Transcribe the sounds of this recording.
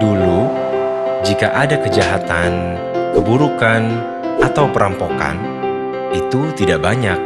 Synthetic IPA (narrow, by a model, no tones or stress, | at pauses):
dulu | d͡ʒika̰ʔadakəd͡ʒaɦat̪an | kəbuɾukan | at̪awpəɾʔampoka̰n | it̪ut̪idaʔbaɲak̚